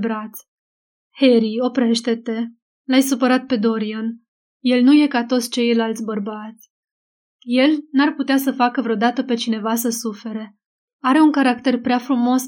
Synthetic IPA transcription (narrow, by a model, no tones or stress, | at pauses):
bɾat̪sʲ | he̞ɾio̞pɾe̞ʃt̪e̞t̪e̞ | lajsupəɾat̪̚pe̞d̪o̞ɾian | je̞lnuje̞kat̪ot̪sʲt͡ʃe̞jlalt̪sʲbərbat̪sʲ | je̞lnarput̪easəfakəvɾeod̪at̪əpe̞t͡ʃine̞vas̬əsufe̞ɾe | aɾe̞uŋkaɾakt̪e̞rpɾeafɾumo̞s